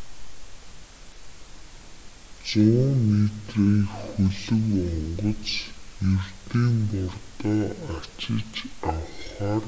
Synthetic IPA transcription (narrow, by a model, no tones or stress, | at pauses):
t͡sʊɔmet̪riːxɵɮɵ̆kɔɴɴɢɞ̆t͡sert̪iːnt̪ʊrt̪æːat͡ɕɪ̆t͡ɕawχaːr